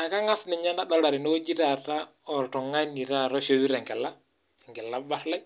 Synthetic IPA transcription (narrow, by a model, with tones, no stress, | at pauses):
a˨ka˦ŋa˦snɪ˨ɲa˦na˦ɗɔ˦la˨ɾɪ˨nɔ˦o˦d͡ʒi˦ɾa˨ta˦ | ɔ˨ɾtɔ˨ŋa˦ni˨ɾa˦ɾɔ˦ʃo˦wi˦ɾɛ˨ŋɡɛ˨la˦ | ŋɡɛ˨la˦ba˦ɾla˦